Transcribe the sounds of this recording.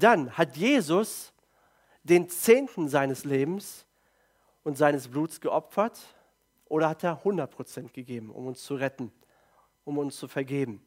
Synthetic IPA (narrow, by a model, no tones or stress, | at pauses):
d̥anhatjeːzʊs | d̥eːnt͡seːntn̩zaɪnəsleːbm̩s | ʔʊntz̥aɪnəsb̥luːtsɡ̥əʔɔpfɐt | ʔoːɾɐhateːɐhʊndɐt̚pʁ̥ot͡sɛntɡ̥əɡeːbm̩ʔʊ̰mʊnst͡suʁɛtn̩ | ʔʊmʊnst͡sufɛɐɡeːbm̩